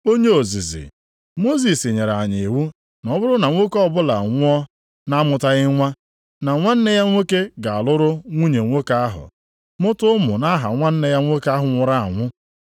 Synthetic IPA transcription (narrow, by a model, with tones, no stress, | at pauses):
o˦ɲe˦o˨zi˨zḭ˨ | mo˦zi˨si˨ɲe˨ɾa˨ɲi˨wu˦ | nɔ˦bʊ˦ɾʊ˦na˨ŋʷo˦kɔ˦bʊ˦la̰˨ŋʷʊ˦ɔ˦ | na˦mʊ˨ta˦ɣɪ˦ŋʷa˦ | na˨ŋʷa˦n̩˦ne˦ja˦ŋʷe˦ke˦ɡa˨a˨lʊ˦ɾʊ˦ŋʷu˦ɲe˨ŋʷo˦ka˦a˦ɦʊ̰˨ | mʊ˦tʊ˦mʊ̰˨na˦ɦa̰˨ŋʷa˦n̩˦ne˦ja˦ŋʷo˦ka˦ɦʊ˨ŋʷʊ˨ɾa˦a̰˨ŋʷʊ˦